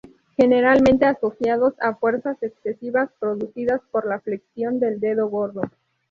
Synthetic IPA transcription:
xe̞ne̞ɾalmẽnt̪e̞aso̞sjaðo̞safwe̞ɾsase̞kssesiβaspɾo̞ðusiðaspo̞ɾlafleksjo̞nd̪e̞ld̪e̞ðo̞ɣo̞ɾðo

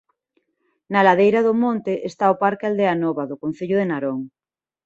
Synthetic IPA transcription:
nalaðejɾaðʊmõnt̪eʔest̪aopaɾkald̪eanɔβaðʊkon̟θeʎʊðenaɾoŋ

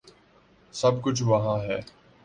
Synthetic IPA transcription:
sɐbkʊt͡ʃʰʋɐɦãːɦɛː

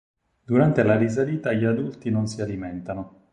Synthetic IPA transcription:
d̪uɾant̪elaris̬aliːt̪aʎiad̪ult̪inonsialimɛnt̪ano

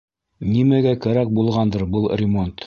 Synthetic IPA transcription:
nimæɡækæɾæk̚bulˠʁɑnd̪ɤɾbɤlˠrʲɪmo̞nt̪

